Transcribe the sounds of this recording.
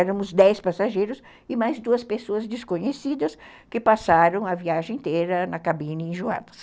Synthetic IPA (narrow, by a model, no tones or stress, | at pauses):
ɛɾɐmʊzd̪ɛspasaʒejɾʊs | ɪmajzd̪uɐspesoɐzd̪eskõɲesid̪ɐs | kɪpasaɾɐ̃w̃ɐviaʒẽẽt̪eɾɐnɐkabĩnɪẽʒuã̰d̪ɐs